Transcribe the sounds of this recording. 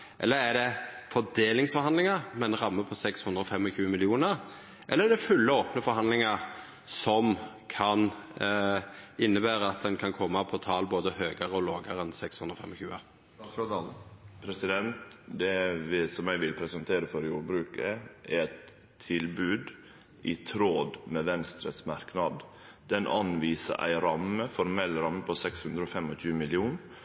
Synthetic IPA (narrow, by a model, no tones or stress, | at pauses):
ʔɛ̰lːəɾæɖɛfɔd̪eːlɪŋsfɔɾhɑnd̪lɪŋəɾmɛnʁɑmːəpʰɔsɛkshʉnd̪ɾəɔfɛmːɔçʉːəmɪlɪuːnəɾ | ʔɛ̰lːəɾæd̪ɛfʉlːəoːpnəfɔɾɦɑnlɪŋəɾ | sɔm | kʰɑn | ɪnːəbæːɾəɑt̪̚d̪ɛnkʰɑnkʰɔmːɑpʰɔt̪ʰɑːlboːd̪əhøːɡəʁəɔloːɡəɾɛnsɛkshʉnd̪ɾɔːfɛ̰mɔçʉːə̰ | pʰɾɛsɪd̪ɛnt̪d̪ɛʋɪsɔmæɪʋɪlpʰɾɛsɑnt̪ʰeːɾəfɔɾjuːɾbɾʉːkəʔɛɾæt̪ʰː | ɪlbʉːd̪ | ʔɪt̪ʰɾoːd̪mɛʋɛnst̪ɾəsmɑɾknɑd̪ | d̪ɛnʔɑnʋiːsə̰ʔæ̰ɪɾɑməfɔɾmɛlːɾɑmːəpʰɔsɛkshʉnd̪ɾəɔfɛmɔɕʉːmɪlɪuːn